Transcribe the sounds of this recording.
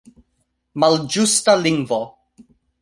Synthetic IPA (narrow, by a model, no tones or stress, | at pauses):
mald͡ʒustaliŋɡvo